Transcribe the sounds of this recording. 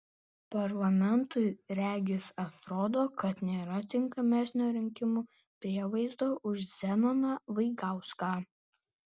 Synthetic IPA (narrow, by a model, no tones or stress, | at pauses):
pɐɾlˠɐmʲɛnt̪ʊɪɾʲæːɡʲɪsɐt̪ɾoːd̪oːkɐt̪nʲeːɾɐt̪ʲɪŋkɐmʲæsʲnʲoːɾʲɪŋʲkʲɪmuː | pʲɾʲiɛʋɐɪzd̪oːʔʊʃzʲɛnɔnɑʋɐɪɡɑˑʊskɑː